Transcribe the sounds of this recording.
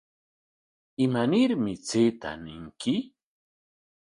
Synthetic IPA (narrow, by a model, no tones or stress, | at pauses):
ɪmanɪɾmɪt͡seːt̪a̰nɪŋkʰɪ